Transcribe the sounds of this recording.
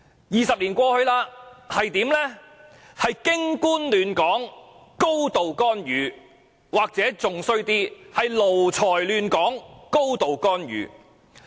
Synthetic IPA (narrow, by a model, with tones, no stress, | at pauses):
jiː˨sɐ˨p̚liː˨˩nkʷɔː˧hɵ˧ɥlaː˧hɐ˨jt̪iː˨˥mlɛː˥ | hɐ˨jkɪ˥ŋkuː˥nlyː˨˧nkɔː˨˥ŋ | ko˥wt̪o˨wkɔː˥njyː˨˥ | waː˨k̚t͡sɛː˨˥t͡sʊ˨ŋsɵ˧ɥt̪iː˥hɐ˨jlo˨˩wt͡sʰɔː˨˩jlyː˨˧nkɔː˨˥ŋko˥wt̪o˨wkɔː˥nɥy̰ː˨˥